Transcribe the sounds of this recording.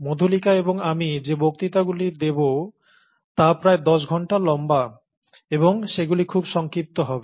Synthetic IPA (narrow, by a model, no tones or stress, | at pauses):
mod̪ʱolikaeboŋamid͡ʑebok̚t̪it̪aɡuliɾd̪ebo | t̪apɾaed̪ɔʃɡʱɔɳʈalɔmba | eboŋʃeɡulikʰubʃɔŋkɾip̚t̪oɦɔbe